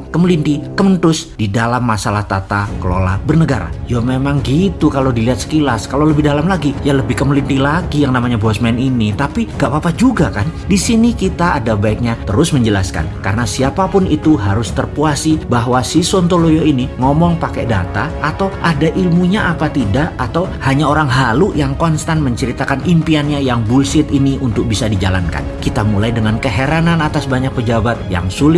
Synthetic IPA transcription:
kəmlind̪ikəmənt̪ʊsdidalamːasalaht̪at̪akəlo̰la̰bərnəɡaɾa̰jomemaŋɡit̪ukalowdiliɦat̪sə̥kilaskalowləbɪhdalamlaɡijaləbɪhkəmlind̪ilaɡijaŋnamaɲabɔsmɛninit̪apiŋɡaʔbapad͡ʒuɡakandisinikit̪aadabaɪk̚ɲat̪əɾʊsməɲd͡ʒəla̰ska̰nka̰ɾənasiapapʊnit̪uɦaɾʊst̪ərpuasibaɦwasisont̪olojoiniŋɔmɔŋpakɛda̰t̪aʔːt̪awʔadaʔilmuɲaʔapat̪idaʔat̪awhaɲaoɾaŋɦalujaŋkɔnst̪anməɲt͡ʃəɾit̪akanimpianɲajaŋbulsɪt̪iniʔunt̪ʊk̚bisadid͡ʒala̰nka̰nkit̪amulajdəŋankəɦeɾananat̪asbaɲak̚pəd͡ʒabat̪̚ja̰ŋsulɪ

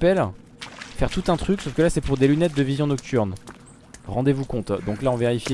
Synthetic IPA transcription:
pɛl | fɛʁt̪ut̪ɛ̃t̪χyksofkʲəlasɛpuʁd̪elynɛt̪̚d̪əvizjɔ̃nɔk̚t̪ʰyʁn | ʁɑ̃d̪evukɔ̃t̪d̪ɔ̃klaɔ̃veʁifje

